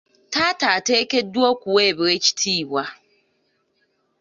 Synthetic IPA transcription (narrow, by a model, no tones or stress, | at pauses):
tataːteːkʲɛduokʷuweːbɾet͡ʃi̥tʰiːwa